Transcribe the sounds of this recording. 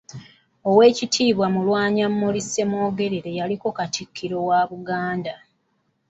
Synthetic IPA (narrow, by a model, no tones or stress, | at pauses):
o̞we̞ːcitʰiːβwamulwaːɲamːolise̞mo̞ːɡe̞ɾiɾe̞jaliko̞katikʰːiɾo̞waβuɡaːnda